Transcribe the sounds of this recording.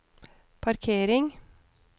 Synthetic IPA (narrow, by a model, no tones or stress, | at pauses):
pʰɑɾkʰeːɾɪŋ